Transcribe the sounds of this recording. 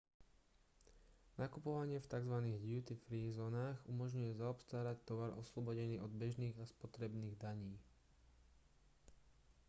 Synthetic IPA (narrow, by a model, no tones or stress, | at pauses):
nakupɔʋaɲɪɛft̪aɡzʋaniːɣɟjut̪ifɾiːzɔːnaːɣumɔʒɲujɛzaɔpst̪aːɾact̪ɔʋaɾʔɔslɔbɔɟɛniːʔɔd̪bɛʒniːɣaspɔt̪ɾɛbniːɣd̪aɲiː